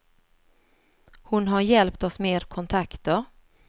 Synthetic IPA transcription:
hʊnɦaɾjɛlpt̪ɔsmeːɾkʰɔnt̪ʰakt̪əɾ

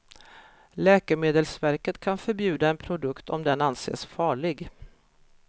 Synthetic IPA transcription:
lɛːkəmeːd̪əlsvæɾkət̪kʰanfœɾbjʉ̟ːd̪aɛnpʰɾʊd̪ɵkt̪ɔ̰md̪ɛnansḛːsfɑːɭɪɡ

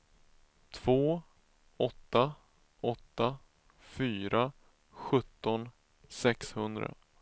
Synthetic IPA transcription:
t̪ʰv̥oː | ɔt̪ːa | ɔt̪ːa | fyːɾʔa | ɧɵt̪ːɔn | sɛkshɵnd̪ɾa̰

